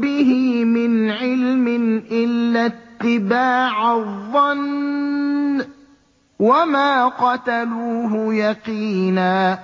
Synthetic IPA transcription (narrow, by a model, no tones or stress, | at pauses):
bɪɦɪmɪnʕɪlmɪnʔɪlːat̪ːɪbaːʕaðˤːɑn | wamaːqɑt̪aluːɦʊjɑqiːnaː